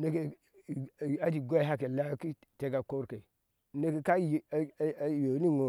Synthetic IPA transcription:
ne˦ke˨ | a˦di˨ɡo˦ɦa˦ke˨la˦ki˦ | te˦˨ɡa˨ko˦ɾke˨ | ne˦ke˨ka˦jjo˨˦ni˦ŋo˨

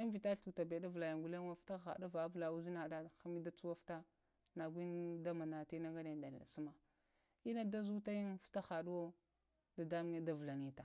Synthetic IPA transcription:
i˦n˦vi˨ta˦ɬu˨ta˨be˨da˦vla˨ja˨ŋɡu˨la˦a˦fta˦xa̰˨da˦va˨˦vla˨u˦zi˦na˨da˦˨xa˦mi˦da˦t͡su˦wa˦fta˦ | na˨ɡʷi˦n˦da˦ma˨na˨ti˦na˦ŋɡa˦na˨da˨n˨la̰˨su˦ma˨ | i˦na˦da˦zu˦ta˦ji˦nfta˦xa˨du˦wo˦ | da˨da˦mu˦ŋe˦da˨vla˨ni˦ta˨

